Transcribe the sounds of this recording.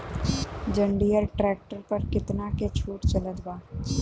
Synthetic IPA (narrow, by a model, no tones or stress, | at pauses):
d͡ʒɐ̃ɳɖijəɾʈɾɛːk̚ʈəɾpɐɾkɪt̪naket͡ʃʰuːʈt͡ʃɐləd̪baː